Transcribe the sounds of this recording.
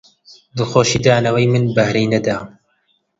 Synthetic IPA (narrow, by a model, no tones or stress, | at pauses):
d̪ɨxoːʃiːd̪aːnɐwejmɨnbɐhɾejnɛd̪aː